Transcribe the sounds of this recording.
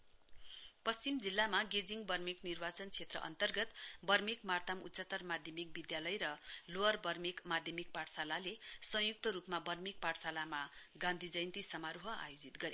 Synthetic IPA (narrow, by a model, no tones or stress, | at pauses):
pʌst͡simd͡zilːamaɡed͡ziŋbʌrmiknirbat͡sʌnt͡sʰet̪rʌ̰ʔʌ̰nt̪ʌrɡʌt̪bʌrmikmart̪amṵt̪ːsʌt̪ʌrmad̪ʱjʌmik̚bid̪jalʌjɾʌloʌrbʌrmikmad̪ʱjʌmik̚paʈsalalesʌ̃ɦjuk̚t̪ʌɾupmabʌrmik̚paʈsalamaɡãnd̪ʱid͡zʌjnt̪isʌmaɾuɦʌa̰jod͡zit̪ɡʌɾe